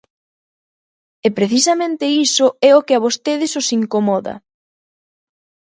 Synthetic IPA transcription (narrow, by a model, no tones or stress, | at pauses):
epɾeθisɐmẽnt̪ɪisoɛokɪaβost̪eðɪsosiŋkomɔðɐ̰